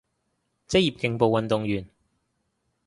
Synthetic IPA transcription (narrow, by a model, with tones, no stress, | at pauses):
t͡sɪ˥k̚jiː˨p̚kɪ˧ŋpo˨˧wɐ˨nt̪ʊ˨ŋjyː˨˩n